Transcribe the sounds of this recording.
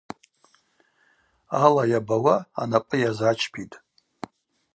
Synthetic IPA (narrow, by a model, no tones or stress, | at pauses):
alajabawaa̰napʼɨjazat͡ʃʰpʰitʼ